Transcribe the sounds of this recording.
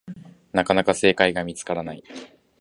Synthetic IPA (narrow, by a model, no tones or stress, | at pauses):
nakanakase̞ːkaiɡamʲit͡sɨ̥kaɾanai